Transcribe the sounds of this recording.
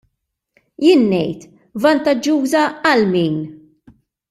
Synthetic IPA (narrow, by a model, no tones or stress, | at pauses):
jɪːnːɛjt̪ | vɐnt̪ɐd͡ʒːuːzɐɐlmiːn